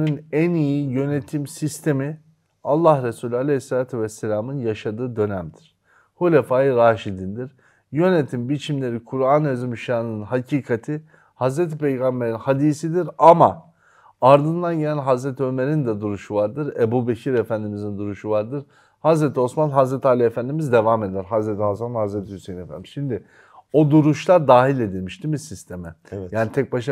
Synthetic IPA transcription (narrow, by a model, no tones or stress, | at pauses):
nynænijijø̞net̪ʰimsist̪ʰe̞mi | alˠːahɾesuːlʲalʲesːelaːt̪ʰuvɛsːelʲaːmɯnjaʃad̪ɯːd̪ø̞næmd̪iɾ̥ | hulʲefaːjɯɾaːʃid̪ind̪iɾ̥ | jø̞net̪ʰimbit͡ʃʰimlʲe̞ɾikʰuɾanezimʃaːnɯnɯnhacʰiːkʰat̪ʰi | hazɾet̪ʰipejɡambe̞ɾinhad̪iːsid̪iɾama | aɾd̪ɯnd̪anɟelʲænɦazɾɛt̪ʰiø̞me̞ɾind̪ɛd̪uɾuʃuvaɾd̪ɯɾebuːbecʰiɾefænd̪imizind̪uɾuʃuvaɾd̪ɯɾ̥ | hazɾet̪ʰio̞smanɦazɾɛt̪ʰaːlʲiefænd̪imizd̪e̞vaːme̞d̪æɾɦazɾet̪ʰiɦazanhazɾɛt̪ʰihysejnnefæ̰nd̪imiz̥ʃimd̪ɪ | od̪uɾuʃlˠaɾd̪aːɦilʲe̞d̪ilʲmiʃd̪imisist̪ʰemɛjaːnit̪ʰɛc̚baʃ